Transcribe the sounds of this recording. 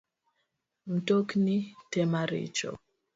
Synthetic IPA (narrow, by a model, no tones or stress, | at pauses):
m̩toknitɛmaɾḭt͡ʃɔ̰